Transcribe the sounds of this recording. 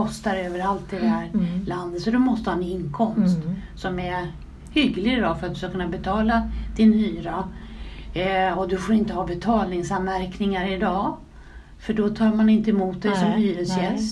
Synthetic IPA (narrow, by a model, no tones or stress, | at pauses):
ɔst̪aɾøːvəɾalt̪̚d̪ɛd̪ɛhɦæːɾland̪ət̪sɔd̪ɵmɔst̪əhɑːɛnɪŋːkʰɔmst̪sɔmɛ | hʏɡlɪd̪ɔfœɾat̪̚d̪ɵ̥skakɵnːabɛt̪ʰɑːlad̪̥ɪnhyːɾa | ɔd̪ɵfoːɾɪnt̪əhɑːbɛt̪ʰɑːlnɪŋsanvæɾknɪŋaɾɪd̪ɑː | fœɖɔt̪ʰɑːɾmanɪnt̪əɛmuːt̪̚d̪ɛjsɔmhyːɾəsjɛs